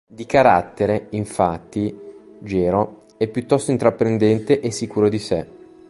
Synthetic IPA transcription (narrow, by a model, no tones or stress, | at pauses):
d̪ikaɾa̰t̪ːeɾeiɱfat̪ːi | d͡ʒɛːɾo | ɛpːjut̪ːɔst̪oint̪ɾapːɾend̪ɛnt̪eʔesːikuːɾod̪ise